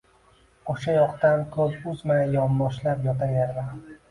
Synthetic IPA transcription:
oʃajɒqt̪ankʰɵzʊzmajajɒmːɒʃlapjɒt̪ʰaɾjaɾvan

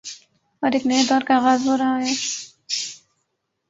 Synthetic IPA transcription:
ɔɾeːkneed̪ɔːɾkaːɣaːzɦoːɾaɦaɦɛː

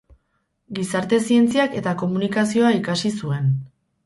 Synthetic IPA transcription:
ɡisaɾt̪e̞sie̞nt͡siake̞t̪ako̞munikasio̞aikasisue̞n

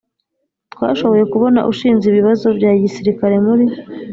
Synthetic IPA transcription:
twa̰ːʃo̞βo̞je̞kuβo̞na̰ʔuʃiːnziβiβazo̞bjaːɟisiɾikaɾe̞muɾi

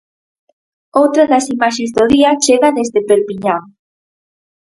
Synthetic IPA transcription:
owt̪ɾaðɐsimaʃezðoðiɐt͡ʃeɣaðezðepeɾpiɲaŋ

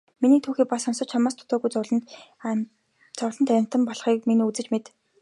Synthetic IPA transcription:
miniːt̪ʰuːxiːk̚pasɔnsɞ̆t͡ɕ̚t͡ɕʰamaːst̪ʰʊ̥t̪ɔːɣujt͡s | t͡sɔwɮə̆nt̪æɪ̆m̥ʲt̪ə̆mpɔɮχiːk̚miniːut͡sɘ̆t͡ɕmet̪

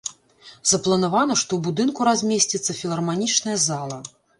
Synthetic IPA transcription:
zɐplˠɐnavanɐʂt̪ɔwbud̪ɨnkuɾazʲmʲesʲt͡sʲit̪sːɐfʲilˠɐrmanʲit͡ʂnɐjɐzalˠɐ

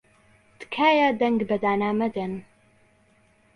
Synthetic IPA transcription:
d̪̥kʰaːjad̪ɐŋɡbɐd̪aːnaːmɐd̪en

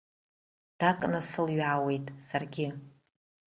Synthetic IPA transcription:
d̥akʼnɨsɨlɥaːwe̞jtʼsarɡʲɪ

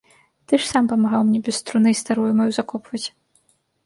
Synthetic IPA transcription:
t̪ɨʂsampɐmaɣawmnʲɛbʲɛst̪ɾunɨjst̪aɾujumɐjuzakɔpvɐt͡sʲ

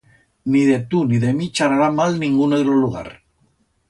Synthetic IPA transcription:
niðet̪uniðemit͡ʃaɾaɾamalnĩŋɡuneɣɾoluɣ̞a̰ɾ

